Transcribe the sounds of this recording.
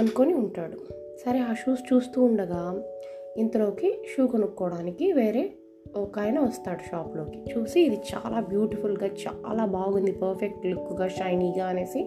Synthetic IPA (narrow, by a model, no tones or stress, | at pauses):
ɐnukoniuɳʈaːɽu | sɐɾeaːʃuːst͡ʃuːst̪uːɳɖɐɡaː | int̪ɐlo̞ːkiʃuːkɐnukːɔːɽaːnikiʋe̞ːɾe̞ː | ɔkaːjnɐʋɐst̪aːɽuʃaːplo̞ːki̥t͡ʃuːsiːd̪it͡ʃa̰ːlaːbjuːʈipʰulɡaːt͡ʃa̰ːlaːbaːɡund̪ipɐɾpʰek̚ʈlikːuɡaːʃɐjniːɡaːɐne̞ːsi